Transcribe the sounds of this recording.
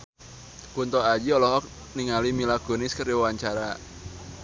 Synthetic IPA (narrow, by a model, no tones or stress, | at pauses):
kunt̪ɔad͡ʒiɔlɔɦɔk̚ | niŋalimilaɡ̥onɪskəɾiwwaɲt͡ʃaɾa